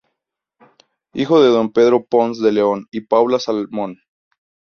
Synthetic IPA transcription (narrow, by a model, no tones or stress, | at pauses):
ixo̞ðe̞ðo̞mpe̞ðɾo̞ponsðe̞le̞o̞nipawlasalmõ̞n